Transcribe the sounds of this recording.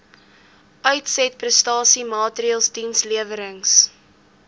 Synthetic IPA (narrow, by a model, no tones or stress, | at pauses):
ʔœɥtsɛt̚prəstɑːsimɑːtriəlˠsdinsliəvəɾəŋs